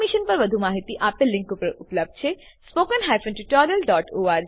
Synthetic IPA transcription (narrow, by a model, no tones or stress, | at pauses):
miʃənpəɾʋəd̪ʱumaɦit̪iʔapelːĩŋkupəɾupləb̚d̪̚ʱt͡ʃʰe | spokənɦajfənʈiʈɔɾiəlɖɔːʈoaɾ